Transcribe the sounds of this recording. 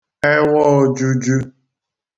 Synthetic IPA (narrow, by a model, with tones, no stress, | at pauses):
ɛ˦wɔ˦d͡ʒu˦d͡ʒu˦